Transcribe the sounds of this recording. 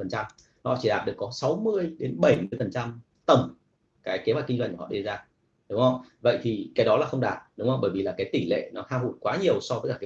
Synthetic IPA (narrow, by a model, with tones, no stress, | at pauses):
fə˨˩nt͡ɕa˧m | hɔ̰˧˨t͡ɕi˧˩ɗaː˨˩t̚ɗɨ˨˩ə˩kːɔ˨˦sa˨˦wmɨ˧əjɗe˨˦nɓə˧˩jmɨ˧əjfə˨˩nt͡ɕa˧m | t̪ə˧˩m | kaː˨˦jke˨˦maː˨˧˩ki˧ŋzwjŋku˧˩˨ɔ̰˧˨ɗe˧zaː˧ | ɗʊ˨˦ŋ͡mhə˧wvə̰˧˨jt̪ʰi˨˩kaː˨˦jɗɔ˨˦laː˨˩xə˧wŋ͡mɗaː˨˩t̚ɗʊ˨˦ŋ͡mhə˧wŋ͡mɓəː˧˩jvi˨˩laː˨˩kaː˨˦jt̪i˧˩ŋlḛ˧˨nɔ˨˦t̪ʰaː˧ɦṵ˧˩jkwaː˨˦ɲi˨˩əwsɔ˧tə˨˦˥kaː˧˩kːa˨˦